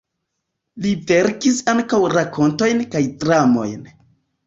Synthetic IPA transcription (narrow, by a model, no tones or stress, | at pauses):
live̞ɾkisaŋkawɾakʰo̞nto̞jnkajdɾamo̞̰jn